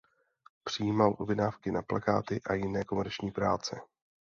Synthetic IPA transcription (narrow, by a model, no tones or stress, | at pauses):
pr̝̥ɪjiːmalʔobɪnaːfkɪnaplaka̰ːt̪ɪʔajɪnɛːko̞mɛɾt͡ʃɲiːpɾaːt͡sɛ